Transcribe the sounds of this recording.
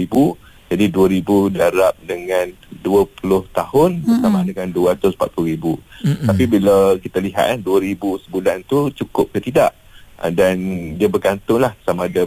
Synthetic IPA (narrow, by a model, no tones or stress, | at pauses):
ibu | d͡ʒadiduəɾibudaɾap̚dəŋãn | duəpulʊht̪ahʊnbəsamadəŋanduat̪ʊspa̰t̪̚pulʊɾibut̪apibilawkit̪aliɦa̰t̪̚laduəɾibusəbulant̪ut͡ʃukʊp̚kət̪idaʔ | dandiabərɡant̪ʊŋlahsamaːda